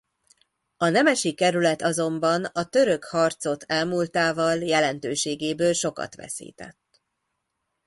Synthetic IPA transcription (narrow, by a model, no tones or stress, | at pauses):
ɒnɛmɛʃikːɛɾylɛt̪ɒzo̞mbɒnɒt̪ø̞ɾø̞khɒrt̪so̞t̪ʰɛlmuːlt̪aːvɒljɛlɛnt̪øːʃeːɡeːbøːlʃo̞kɒ̰t̪ʋɛ̰sḭːt̪ɛ̰t̪ː